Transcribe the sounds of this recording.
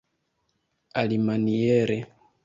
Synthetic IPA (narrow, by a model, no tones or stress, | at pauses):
alimanijɛɾɛ